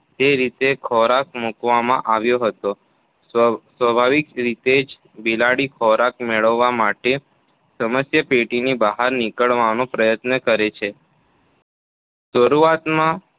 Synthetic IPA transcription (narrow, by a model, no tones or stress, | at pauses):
d͡ʒ̪eɾit̪ekʰɔɾak̚mukʋamã̰ʔaʋjoɦət̪o | sʋəbʱaʋikɾit̪ed͡ʒ | bilaɽikʰɔɾakmeɭəʋːamaʈe | səməsjəpeʈinibaɦaɾnikəɭʋanõpɾəjət̪nəkəɾet͡ʃʰe | ʃəɾuat̪mã